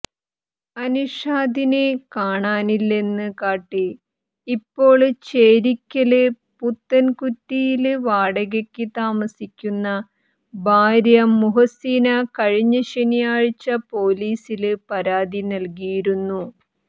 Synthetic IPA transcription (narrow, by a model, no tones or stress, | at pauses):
ɐnuʂaːd̪inekaːɳaːnilːe̞nːɨkaːʈːi | ipːo̞ːɭt͡ɕeːɾikʲːɐlɨ | put̪ːɐnkutːijilɨʋaːɽɐɣɐkʲːɨt̪aːmɐsikʲːunːɐ | bʱaːɾjɐmːuɦɐsiːnɐkɐɻiɲːɐɕɐnijaːɻit͡ɕːɐpo̞ːliːsilɨpɐɾaːd̪inɐlk̬ijiɾunːu